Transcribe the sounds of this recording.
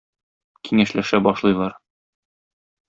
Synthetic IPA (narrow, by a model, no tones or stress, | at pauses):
kʰiŋæʃlæʃæbɒʃlˠɤ̆jlˠɑɾ